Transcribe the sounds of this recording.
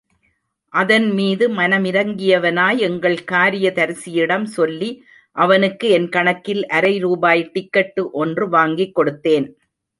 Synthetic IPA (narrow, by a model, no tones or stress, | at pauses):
ʔɐðɐnmiːðɯmɐnɐmɪɾɐŋɡɪjɐʋɐnaːjɛŋɡɐɭkaːɾɪjɐt̪ɐɾɯsɪjɪɽɐmsɔlːi | ʔɐʋɐnɯkːɯɛnkɐɳɐkːɪlʔɐɾɐɪɾuːbaːjʈɪkːɐʈːɯʔɔndrɯʋaːŋɡɪkːɔɽɯt̪ːeːn